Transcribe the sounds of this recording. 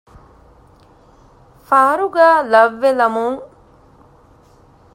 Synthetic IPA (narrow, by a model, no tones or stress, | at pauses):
faːɾuɡaːlɐʋːelɐmuŋ